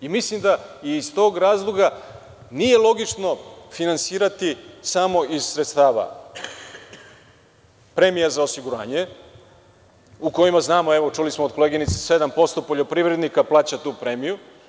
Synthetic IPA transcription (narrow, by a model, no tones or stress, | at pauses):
imislimd̪aiːzt̪o̞ːɡɾaːzlˠoɡa | nije̞lˠo̞ɡit͡ʂno̞finansiːɾat̪isamo̞iz̥sɾet̪st̪aːʋa̰ | pɾe̞mijazaosiɡuɾa̰ːɲe̞ | uko̞jimaznaːmoe̞ʋo̞t͡ʃulismood̪ko̞leːɡinit̪sese̞d̪ampo̞st̪o̞po̞ʎo̞pɾivɾe̞d̪nikaplˠaːt͡ɕat̪uːpɾe̞miju